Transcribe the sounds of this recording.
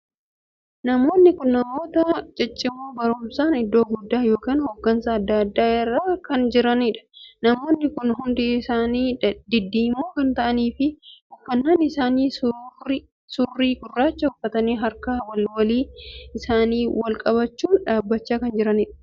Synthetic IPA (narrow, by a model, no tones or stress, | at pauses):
nɐmo̞ːnːɪkʊnːɐmo̞ːt̪ɐt͡ʃʼɛt͡ʃʼːɪmuːbɐɾʊmsaːnɪd̪ːo̞ːɡʊd̪ːaːjo̞ːkiːnhoɡːɐnsaɐd̪ːɐːɐd̪ːaːɪrːaːkɐnd͡ʒɪɾɐnɪᶑɐ̥nɐmo̞ːnːɪkʊnɦʊnd̪ɪsaːniːd̪ɪd̪ːiːmoːkɐnt̪ɐʔɐniːfɪhʊfːɐnːaːnɪsaːniː | sʊrːiːɡʊrːaːt͡ʃːɐhʊfːɐt̪ɐniːɦɐɾkɐwɐlwɐliːɪsaːniːwɐlkʼɐβɐt͡ʃːuːnᶑaːbːɐt͡ʃːaːkɐnd͡ʒɪɾɐnɪᶑɐ̥